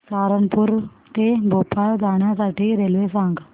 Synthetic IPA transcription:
saːɾənpuɾ | t̪ebʱopʰad͡zaɳjasaʈiːɾelʋesãŋɡ

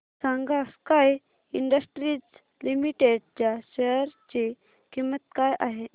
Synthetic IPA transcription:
sãŋɡaskaj | iɳɖəsʈɾiːt͡s | limiʈeɽt͡ɕjaɕɛɾt͡ɕi | kimːət̪̚kajʔaɦe

